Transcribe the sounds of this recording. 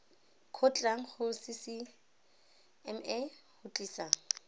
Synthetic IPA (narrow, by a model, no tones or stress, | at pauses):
kʰʊt͡ɬʼaŋ̩χʊsɪsi | ɛmɛhʊt͡ɬʼiːsaŋ̩